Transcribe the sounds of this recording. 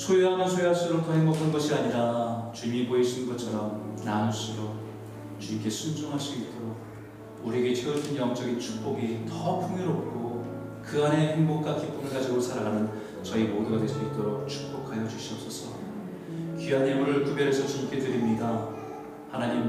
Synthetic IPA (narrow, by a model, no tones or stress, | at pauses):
sʰojeɦamʌnsʰojeɦaɭs͈ɯɾok̚t͈ʌheŋbʌkʰanɡʌɕʰiaɲiɾat͡ɕuɲimiboiɕʰinɯnɡʌt͡ɕʰʌɾʌmnanos͈ʰɯɾo | t͡ɕuɲimk͈ʰe̞sʰund͡ʑoŋɦaɭs͈uit͈oɾoɡ̚ | uɾieɡe̞t͡ɕʰeopʰɯnjʌŋt͡ɕ͈ʌɡint͡ɕʰuk̚p͈oɡitʌpʰuŋoɾʌp̚k͈o | kɯane̞heŋbok̚k͈akʰip͈omeɡad͡ʑiɡosʰaɾaɡanɯn | t͡ɕʌimoduɡadwe̞s͈uit͈oɾok̚t͡ɕʰu̥k̚p͈okʰajʌd͡ʑuɕʰiʌp̚s͈ʌsʰʌ | kiɦanːemuɾɯɭkubjʌɾesʰʌt͡ɕuɲkʰetɯɾimɲida | hanaɲim